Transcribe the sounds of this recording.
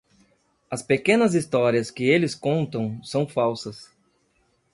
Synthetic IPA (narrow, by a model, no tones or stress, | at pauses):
ɐspekẽnɐzist̪ɔɾiɐskɪelɪskõnt̪ɐ̃w̃sɐ̃w̃fawsɐs